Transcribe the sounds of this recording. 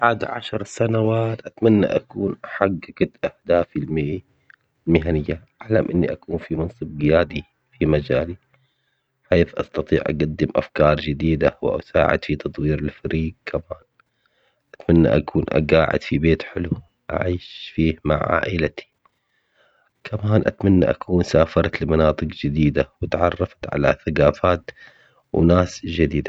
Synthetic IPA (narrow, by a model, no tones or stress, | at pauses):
baːd̪ʕaʃɑɾˤsanawaːt̪ʔat̪manːa̰ʔakuːnʔaħaɡːaɡat̪ʔahd̪aːfilm | lmɪɦanɪjːaʔaʕlamʔɪnːiʔakuːnfimɑnsˤɨb̚ɡɪjaːd̪i | fimad͡ʒaːli | ħeːθʔɑ̰st̪ɑt̪ˤiːʕʔa̰ɡad̪ːɪmʔa̰fkɑːɾˤd͡ʒɪd̪iːd̪awɪ̰ʔa̰sa̰ːʕɪ̰d̪fit̪ɑt̪ˤwiːɾalfaɾiːɡ̚kʰamaːn | ʔat̪manːa̰ʔa̰kʰuːnʔa̰ɡaːʕɪ̰d̪̥fibeːt̪ħɪlu | ʔa̰ʕiːʃfiːhmaʕa̰ːʔɪlat̪i̥ | kʰamaːnʔa̰t̪manːḭʔa̰kʰuːnsaːfɑɾˤɑt̪lɪmanɑːt̪ˤɨqd͡ʒɪd̪iːd̪awɪt̪ʕɑ̰rˤːɑfḁt̪ʕa̰la̰θaɡaːfaːt̪ | wnaːsd͡ʒad̪iːd̪a